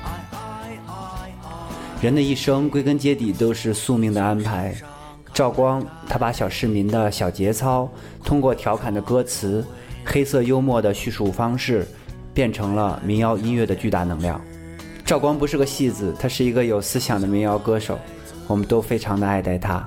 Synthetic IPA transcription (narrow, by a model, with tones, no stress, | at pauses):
ɻə˧˥nd̪ə˧i˥˩ʂɤ˥ŋkwe˥ɪkə˥nt͡ɕjɛ˥t̪i˨˩t̪o˥ʊʂɻ̩˥˧su˥˧mi˥˩ŋd̪ə˩a˥npʰa˧˥ɪ | ʈ͡ʂɑ˥˩ʊkwɑ˥ŋt̪ʰa˥pa˧˥ɕjɑ˨˩ʊʂɻ̩˥˩mi˧˥nd̪ə˧ɕjɑ˨˩ʊt͡ɕjɛ˧˥t͡sʰɑ˥ʊ | t̪ʰʊ˥ŋkwɔ˥˩t̪ʰjɑ˧˥ʊkʰa˨˩nd̪ə˦kɤ˥t͡sʰɹ̩˧˥ | xe˥ɪsɤ˥˧jo˥ʊmwɔ˥˩d̪ə˩ɕy˥˩ʂu˨˩fɑ˥ŋʂɻ̩˥˩ | pjɛ˥˩nʈ͡ʂʰɤ˧˥ŋlə̰˧mi˧˥ŋjɑ˥ʊi˥nɥɛ˥˩d̪ə˩t͡ɕy˥˧t̪a̰˥˩nɤ˧˥ŋljɑ̰˥˩ʊŋ | ʈ͡ʂɑ˥˩ʊkwɑ˥ŋpu˧˥ʂɻ̩˥˩ɡə˩ɕi˥˩d͡zɹ̩˨˩t̪ʰa˥ʂɻ̩˥˩i˧˥ɡə˧jo˨˩ʊsɹ̩˥ɕjɑ˨˩ŋd̪ə˦mi˧˥ŋjɑ˥ʊkɤ˥ʂo̰˨˩˦ʊ | wɔ˨˩mə˦nt̪o˥ʊfe˥ɪʈ͡ʂʰɑ˧˥ŋd̪ə˧a˥˧ɪt̪a˥˩ɪt̪ʰa̰˥